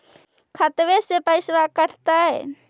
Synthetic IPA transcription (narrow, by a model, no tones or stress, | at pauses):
kʰət̪ʋesepəɪsʋakəɽ̤ʰt̪aɦɛ